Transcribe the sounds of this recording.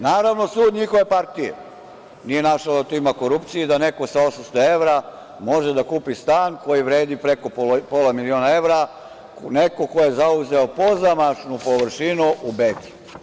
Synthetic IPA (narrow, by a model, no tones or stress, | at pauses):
naːɾaʋno̞suːd̪ɲixo̞ʋe̞paɾt̪ijḛ | nije̞naʃad̪at̪oimako̞ɾupt̪sijid̪ane̞ko̞sao̞samst̪o̞e̞ʋɾa | mo̞ʒed̪akuːpist̪aːnko̞jiʋɾe̞ːd̪ipɾe̞ko̞popo̞lamilioːnae̞ʋɾa | ne̞ko̞ko̞je̞zauze̞o̞po̞zamat͡ʃnupo̞ʋr̩ʃinuʔubet̪i̥